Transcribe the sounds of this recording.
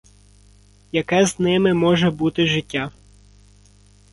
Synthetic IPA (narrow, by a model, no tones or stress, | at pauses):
jɐkɛznɪmɪmɔʒɛbut̪ɪʒɪtʲːa